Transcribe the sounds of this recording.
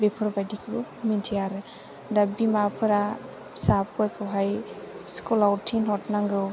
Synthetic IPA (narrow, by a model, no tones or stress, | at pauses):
bepʰɯɾbajdikʰiɡu | mintʰijaɾɯ | dabimapʰɯɾa | sap̚ɯɾkʰɯwɦaj | skulawtʰinɦɔtnaŋɡɯw